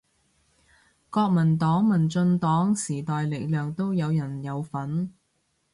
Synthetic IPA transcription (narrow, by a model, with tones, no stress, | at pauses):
kɔː˧k̚mɐ˨˩nt̪ɔː˨˥ŋmɐ˨˩nt͡sɵ˧nt̪ɔː˨˥ŋsiː˨˩t̪ɔː˨jle˨˩klœː˨˩ŋt̪o˥wjɐ˨˧wjɐ˨˩njɐ˨˧wfɐ˨˥n